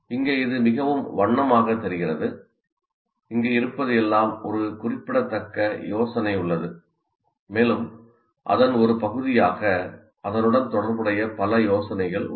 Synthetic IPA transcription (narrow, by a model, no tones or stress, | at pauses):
ɪŋɡeːɪðɯmɪɣɐʋɯmʋɐɳːɐmaːɣɐt̪ːɛɾɪɣɪrɐðɯ | ɪŋɡeːɪɾɯpːɐðɯɛlːaːmɔɾɯkʊrɪpːɪɽɐt̪ːɐkːɐjoːsɐnɐɪʊɭːɐðɯ | meːlɯm | ʔɐ̰ðɐnɔɾɯpɐɣɯðɪjaːɣɐ | ʔɐðɐnɯɽɐnt̪ɔɽɐɾbɯɽɐjɐpɐlɐjoːsɐnɐɪɣɐɭ